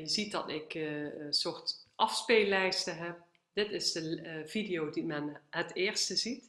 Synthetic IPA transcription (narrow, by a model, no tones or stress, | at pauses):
jəzit̚dɑ̰tɪksʊɹtʔɑfspeːlɛjstəɦɛp̚ | dɪtɪzdəv̥idɪjowdimɛnɦətɪːɹstəzit